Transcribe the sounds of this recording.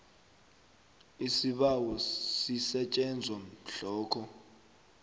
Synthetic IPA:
isiɓawɔsisɛt͡ʃʼɛnd͡zʱwam̩ɬɔːkʰɔ

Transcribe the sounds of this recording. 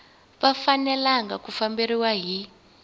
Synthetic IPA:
βafanɛlaŋɡakufambiɾiwaɦi

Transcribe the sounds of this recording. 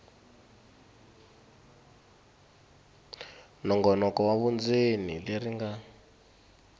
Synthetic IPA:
nɔŋɡɔnɔkɔwaβund͡zenileɾiŋɡa

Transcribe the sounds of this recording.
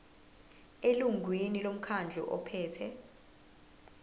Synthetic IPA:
eluŋɡʱwinilom̩kʰand͡ɮʱɔ̰ʔɔ̰pʰɛːtʰɛ

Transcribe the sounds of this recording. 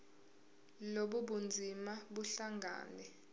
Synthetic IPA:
loɓuɓund͡zʱimaɓuɬaŋɡʱa̰ːnɛ

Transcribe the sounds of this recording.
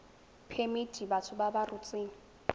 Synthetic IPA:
pʰemidʱibatʰʊbabarut͡sʼɪːŋ̩

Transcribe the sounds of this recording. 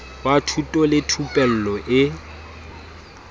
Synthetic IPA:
batʰutʼɔlɪtʰupʼɛl̩lɔʔɪ

